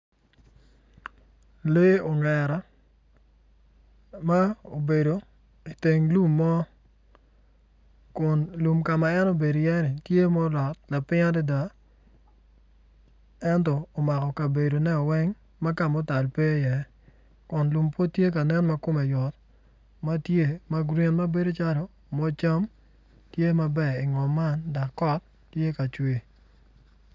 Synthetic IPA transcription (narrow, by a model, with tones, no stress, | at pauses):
le˦o˨ŋɛ˨ɾa˦ | ma˦o˨be˨do˨ | i˨te˨ŋlu˦mːɔ˦ | kʊ˨nlu˨mka˨ma˨ɛ˦no˨be˨do˨jɛ˦nɪ˨tje˦mɔ˦lɔ˨t̚la˨pɪ˦ŋa˦di˦da˨ | ɛ˦ntɔː˨ma˨kɔ˨ka˨be˨do˨nɛ˦ɔ˨wɛ˦ŋ | ma˦ka˨mɔ˦ta˨lpe˦jɛ˨ | kʊ˨nlu˨mpwo˦tje˦ka˨nɛ˦nma˦kʊ˦mɛ˨jɔ˨t | ma˦tje˦ma˦ɡɾi˦nma˦be˦do˦t͡ʃa˦ɾɔ˨ | mɔ˦t͡ʃa˦m | tje˦ma˦bɛ˦˨ɪ˨ŋɔ˨mːa˦nda˨kːɔ˦tːje˦ka˨t͡ʃwe˦